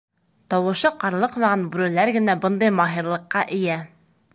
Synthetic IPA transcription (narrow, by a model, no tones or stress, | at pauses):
t̪ɒwɤ̆ʃɤqɑɾlˠɤqmɑʁɑnbʉɾɘ̆læɾɡɘ̆næbɤnd̪ɤjmɑɦiɾlˠɤ̆qːɑʔɘ̆jæ